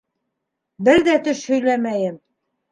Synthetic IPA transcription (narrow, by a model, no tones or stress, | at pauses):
bɘɾðæt̪ɵʃhɵ̆jlæmæjɘm